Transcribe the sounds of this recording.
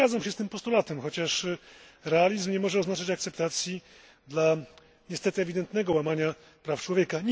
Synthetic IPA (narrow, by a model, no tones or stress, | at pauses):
ad̪zamɕɛst̪ɘmpɔst̪ulat̪ɛmxɔt͡ɕaʂ | ɾɛalʲizmɲɛmɔʐɛɔznat͡ʂat͡ɕakt̪sɛp̚t̪at̪sʲji | d̪la | ɲɛst̪ɛt̪ɘɛvʲid̪ɛnt̪nɛɡɔwamaɲa | pɾaft͡ʂwɔvʲjɛkaɲ